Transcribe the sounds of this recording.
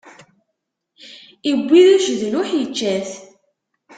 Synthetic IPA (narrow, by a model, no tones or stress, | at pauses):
ibʷːiðuʒðlʊħjət͡ʃːæθ